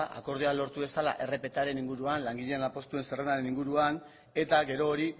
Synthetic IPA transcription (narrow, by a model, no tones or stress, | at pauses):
ʔa̰ko̞ɾðealo̞ɾt̪uβe̞sala̰ʔe̞re̞pe̞t̪aɾe̞niŋɡuɾuanlaŋɡiʎe̞enlapo̞st̪ue̞nserenaɾe̞niŋɡuɾuan | e̞t̪aɣe̞ɾo̞ːɾi